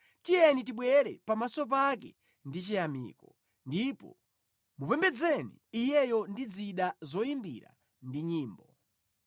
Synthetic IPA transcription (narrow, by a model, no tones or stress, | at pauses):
tiɛnit̬iɓwɛɾɛpamasɔp̬akɛ | ndit͡ʃijamḭːkɔ | ndipɔ̰ | mupɛmbɛd͡zɛnḭːjɛjɔndid͡ziɗazɔimbḭɾa̰ | ndiɲiːmbɔ